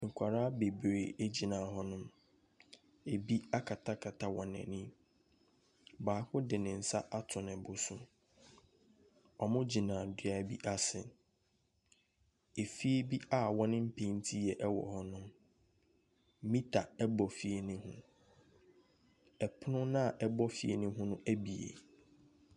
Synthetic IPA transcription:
ŋ̩˨kʷʰa˨ɾaː˦be˨bɾe˨e˦d͡ʑi˨nãː˨ɦɔ˦nʊ̃˦m | e˨bi˦a˦kʰa˨tʰa˦kʰa˨tʰa˦wɔ̃˨nɛ̰̃˨nĩ˦ | baː˨˦kʰʊ˦dɪ˨nɪ̃˨n̩˨sa̰˦ʔa˦tʰʊ̃˨nɪ̃˨bʊ˨sʊ˦ | ɔ˨mʊ̃˦d͡ʑi˨nã˨dɪ˨a˨˦bi˦ʔa˦sɪ˨ | e˨fi˦e˦bi˦a˦wɔ̃˦nɪ̃˦m̩˦pʰẽ˨˦n˦tʰi˦jɛ˨ʔɛ˦wɔ̰˨hɔ˦nʊ̃˦ | mĩ˦tʰa˨ɛ˦bɔ˨fi˨e˨nɪ̃˦hʊ̰̃˦ | ɛ˨pʰʊ˦nʊ̃˦nã˦˨ʔɛ˦bɔ˦fi˨˦ḛ˨nɪ̃˦ɦʊ̃˦nʊ̃˦ʔæ˦bi˨ḛ˨

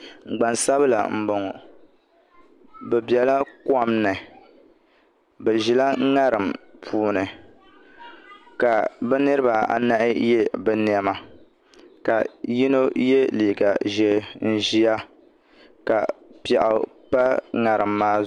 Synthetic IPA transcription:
ŋ͡m̩˨ɡ͡ba˨nsa˦bɨ˦la̰˨m̩˨bo˨ŋɔ˨ | bɛ˨bjɛ˨la˦ka˦mnɨ˨ | bɨ˨ʒi˨la˦ŋa˦ɾɨ˨mpʰuː˨˦nɨ˨ | ka˨bɛ˦nɨ˦ɾɨ˦ba˨a̰˨na˦ʔɪ˦je˦bɛ˨ni˨ɛ˦ma˨ | ka˨ji˦no˦je˦liː˨ɡa˨ʒɛ˨n̩˦ʒi˦ja˦ | ka˨pɛ˨ʔa˨pa˦ŋa˨ɾɨ˨mːaː˦

